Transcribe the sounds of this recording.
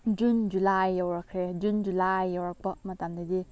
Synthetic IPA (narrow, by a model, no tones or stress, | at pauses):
d͡ʒund͡ʒulajːawɾakʰɾed͡ʒund͡ʒulajːawɾak̚bɐmatamdadi